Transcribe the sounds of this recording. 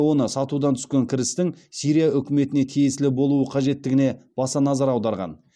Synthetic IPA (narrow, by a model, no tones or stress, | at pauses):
wo̞nəsɑt̪ud̪ɑnt̪ʰʏ̥skʲe̞ŋkʲʰɪɾɪst̪ɪŋsijɾijaʔʏkʲɪme̞t̪ɪne̞t̪ʰijesɪlɪbo̞lˠuəqʰɑʒe̞t̪ːɪɡʲɪne̞b̥ɑsɑnɑzɑɾɑwd̪ɑɾʁɑ̰n